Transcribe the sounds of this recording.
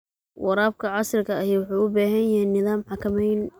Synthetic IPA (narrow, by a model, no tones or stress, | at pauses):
wɑɾaːb̚kʰɐʕɑsrɪkʰɐɐjiwʊħɑjʊbaːɦɐjjɐhɛjnːɪðaːmħɑkʰɐmɛjn